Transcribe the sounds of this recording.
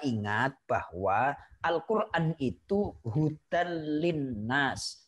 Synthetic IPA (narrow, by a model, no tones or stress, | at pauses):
ʔiŋat̪̚b̥ahwaʔalkurʔanit̪uɦut̪anlinːas